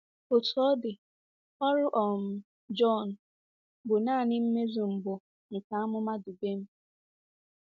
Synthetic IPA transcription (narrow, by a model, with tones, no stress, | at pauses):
o˨tɔ˦dɪ˨ | ɔ˦ɾʊ˦ʔɔ˨m̩˨˦ | d͡ʒɔ˦˨n̩˨ | bʊ˨naː˦˨nɪ˦m̩˦me˦zu˨m̩˨bʊ˨ | ŋ̩˨ka˨a˦mʊ˦ma˦du˨be˦m̩˦